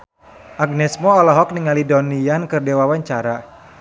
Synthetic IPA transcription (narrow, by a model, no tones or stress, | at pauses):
ʔaɡ̚nɛsmɔːlɔɦɔk̚niŋalidɔniankɨrdewawaɲt͡ʃaɾa